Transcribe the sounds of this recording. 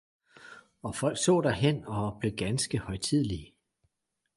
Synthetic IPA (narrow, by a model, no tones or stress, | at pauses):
ɒ̽fɒ̽l̰ɡ̥sɔ̰ːd̥æɐɦen̰ɒ̽b̥le̝ɡ̥ænsɡ̥əhɒ̽ɪt͡sʰið̰ˠli